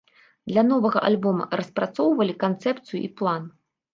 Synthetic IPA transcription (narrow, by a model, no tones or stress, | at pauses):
d̪lʲanɔvɐɣɐ̰ʔalʲbɔmɐ̰rɐspɾat̪sɔwvɐlʲikant̪sɛpt̪sɨjṵʔiplˠan